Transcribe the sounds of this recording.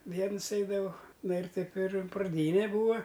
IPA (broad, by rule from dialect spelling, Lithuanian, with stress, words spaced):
ˈʋʲiɛnʊs ˈɛɪdɐʋɐʊ ˈnɐ ɪr ˈtɐɪp ɪr prɐˈdʲiːnʲɛ ˈbuːɐ